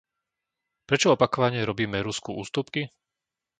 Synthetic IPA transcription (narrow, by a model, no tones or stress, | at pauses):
pɾɛt͡ʃɔɔpakɔʋaɲɪɛɾɔbiːmɛɾuskuʔṵːst̪upki